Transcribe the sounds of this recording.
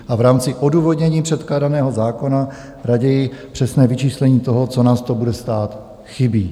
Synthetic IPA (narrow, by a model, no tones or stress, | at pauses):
ʔavɾaːmt͡sɪʔo̞duːvo̞dɲɛɲiːpr̥ɛt̪klaːdanɛːɦo̞zaːko̞na | ɾaɟɛjɪpr̝̥ɛsnɛːvɪt͡ʃiːslɛɲiːt̪o̞ɦo̞t͡so̞naːst̪o̞budɛst̪aːt̪ | xɪbiː